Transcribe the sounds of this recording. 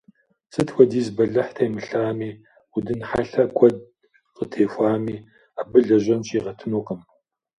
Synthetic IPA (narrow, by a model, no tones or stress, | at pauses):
sɨtʰwʷɐdiːzbɐɮɐħtʰejmɨɬaːmiː | udɨnħaɬɐkʷʼɔd̚ | qətʰeːfʷaːmiː | abɨɮɐʒɐnʃiːʁɐtʰɨnoːqɐm